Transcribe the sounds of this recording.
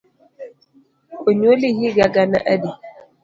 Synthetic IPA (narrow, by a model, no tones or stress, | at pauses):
koɲolihiɡaɡana̰ʔadi